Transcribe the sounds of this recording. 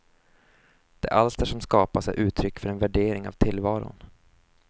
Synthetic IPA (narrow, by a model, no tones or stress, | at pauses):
d̪̥ɛ̰æ̰ʔalst̪æʂɔmskɑːpasɛ̰jʔʉ̟ːt̪ʰɾʏkːfœɾɛnvæɖeːɾɪŋa̰vt̪ʰɪlːvɑːɾʊ̰n